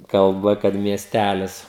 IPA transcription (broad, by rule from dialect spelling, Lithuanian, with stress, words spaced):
kɐlˠˈbɐ kɐt mʲiɛˈsʲtʲælʲɪs